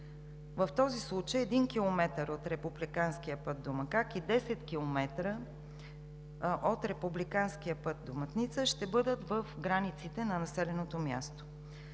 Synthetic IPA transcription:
vəft̪ɔzislˠut͡ʃəjɛd̪inkʲilˠomɛt̪əɾot̪ɾɛpublikanskiəpɤt̪̚d̪omɐkakid̪ɛsɛt̪kʲilˠomɛt̪ɾə | ʔot̪ɾɛpublikanskijəpɤt̪̚d̪omɐt̪nit̪səʃt̪ɛbɤd̪ət̪vəfɡɾanit̪sit̪ɛnɐnɐsɛlɛnot̪omja̰st̪o̥

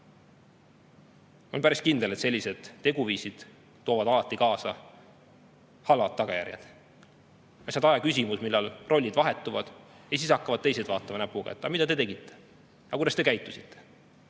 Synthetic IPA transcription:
o̞̰lpæɾiskind̪̥e̞let̪se̞lʲːise̞d̪̥ːe̞ɡ̥uviːsid̪̥ː | oːvɑd̪ɑlɑt̪ːˑikɑːsɑ | hɑlɑt̪̚ːɑɡ̥ɑjæ̰ɾjɑ̰d̪̥ | ɑsɑd̪ɑjɑkysimusmilːɑlrʔo̞lʲːid̪̥vɑɦe̞t̪ˑːuvɑd̪̥ | jɑsisɑkːˑɑvɑd̥̪t̪e̞js̬ed̪̥vɑːt̪ːˑɑmɑnæpːuɡɑ̰et̪ːˑɑmid̪̥ɑd̪e̞t̪e̞ɡit̪ːe̞̥ | ɑkujd̪ɑst̪e̞kæjt̪ːˑusi̥t̪ʰːe

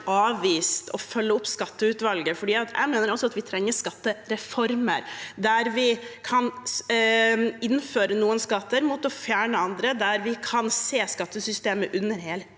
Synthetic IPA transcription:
ʔɑːʋʋiːst̪ʰɔfœlːəʊpskɑt̪ːəʉt̪ʋɑlɡəfɔɖiːɑt̪jʔæ̰ɪmeːnəɾɔsːɔɑt̪ʋɪt̪ʰɾɛŋːəskɑt̪ːəɾɛfɔɾmə̰ɾd̪æɾʋɪkʰɑn | ɪnːføːɾənuːənskɑt̪ːəɾmuːt̪ɔfjæːɳəɑnd̪ɾəd̪æɾʋɪkʰɑnseːskɑt̪ːəsʏst̪eːməʔʉnːəɾheːl

